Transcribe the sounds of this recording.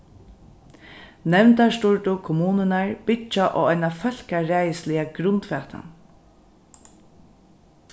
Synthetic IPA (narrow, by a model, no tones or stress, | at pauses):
nɛʋnt̪aʂt̪ʊɹʈʊkʰʊmuːnənaɹbɪt͡ʃaʔɔ̰ːɔjnafœl̥kaɾɛːjəslɪaɡɾʊnt̪fɛːt̪ʰa̰n